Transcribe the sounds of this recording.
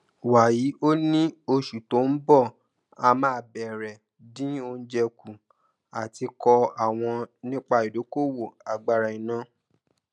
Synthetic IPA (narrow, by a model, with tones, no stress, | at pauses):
wa˨ji˨˦ʔo˦nĩ˦o˧ʃu˨to˨˦n̩˦bɔ˦˨ | a˧mãː˦˨bɛ˨ɾɛ˨ | dĩ˦o˧n̩˦d͡ʒɛ˧ku˨ | a˨ti˧kɔ˧a˨w̃ɔ̃˧nĩ˦k͡pa˧i˨do˨˦ko˦˨wo˦˨a˨ɡ͡ba˧ɾa˨ĩ˨nã˨˦